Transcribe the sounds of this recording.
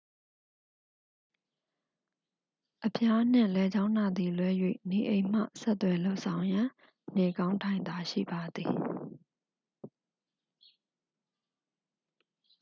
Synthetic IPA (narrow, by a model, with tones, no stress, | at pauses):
ʔəpʰja˦n̥ɪ̰̃˨lɛ˨d͡ʑã˦ʊ̃na˨d̪i˨lwɛ˦jwḛ˦˨ni˨ʔẽ˨ɪ̃m̥ä̰˦˨sɛ˦t̪ːwɛ˨lo˦ʊʔsʰã˨ʊ̃jã˨ | n̥ɛ˨kã˦ʊ̃ntʰã˨ɪ̃nd̪a˨ʃḭ˦˨ba˨d̪i˨